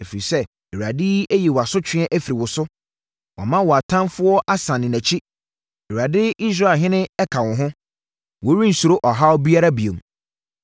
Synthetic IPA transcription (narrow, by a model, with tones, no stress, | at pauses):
e˨fi˨ɾi˨sɛ˦ | ɛ˨wu˨a˨dɪ˦e˦ji˨wa˨sʊ˦t͡ɕʰᶣɪ̃˦ɛ˦ʔæ˦fi˨ɾi˨wʊ˨sʊ˦ | wʔɔ̰˨mã˦wɔ˨a˨tʰã˦nfʊ˦ɔ˦ʔa˦sã˨nɪ̃˨næ̃˨t͡ɕʰi˦ | e˨a˨dɪ˦i˦s̬ɾa˦˨ɦɪ̃˦nɪ̃˦ɛ˦kʰã˨wʊ̃˨ɦʊ̃˦ | wɔ˨˦ɾĩ˦n̩˨su˨ɾo˦ʔɔ˨ɦa˦ɔ˦bi˦a˦ɾa˦bi˨e˨m˨